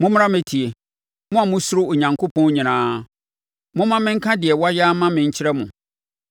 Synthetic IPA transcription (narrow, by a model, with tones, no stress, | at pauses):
mʊ̃˦m˦ã˦mẽ˨tʰi˨e˨ | mʊ̃˦a˨mʊ̃˦sʊ˦ɾʊ˦o˨ɲã˨ŋkʰo˦pʰɔ̃˦n˦ɲĩ˨nãː˨˦ | mʊ̃˦mã˦mɪ̃˦ŋ̩˦kʰã˦dɪ˨ɛ˨wa˦ja˦mã˦mɪ̃˨ɲ̩˦t͡ɕʰɪ˦ɾɛ˦mʊ̃˨